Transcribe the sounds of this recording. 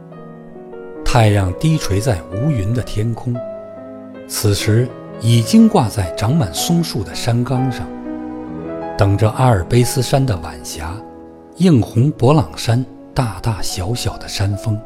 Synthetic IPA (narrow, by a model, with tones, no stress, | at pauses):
t̪ʰa˥˧ɪɻɑ˥˩ŋt̪i˥ʈ͡ʂʰwe˧˥ɪt͡sa˥˩ɪu˧˥y˧˥nd̪ə˧t̪ʰjɛ˥nkʰʊ˥ŋ | t͡sʰɹ̩˨˩ʂɻ̩˧˥ | i˨˩t͡ɕi˥ŋkwa˥˧t͡sa˥˩ɪʈ͡ʂɑ˧˥ŋma˨˩nsʊ˥ŋʂu˥˩d̪ə˩ʂa˥nkɑ˥ŋʂɑ˥˩ŋ | t̪ɤ˨˩ŋʈ͡ʂə˧ʔa˥ə˞˨˩pe˥ɪsɹ̩˥ʂa˥nd̪ə˨ʋa̰˨˩nɕja˧˥ | ji˥˩ŋxʊ˧˥ŋpwɔ˧˥lɑ˨˩ŋʂa˥n | t̪a˥˧t̪a˥˩ɕjɑ˧˥ʊɕjɑ˨˩ʊd̪ə˦ʂa˥nfɤ˥ŋ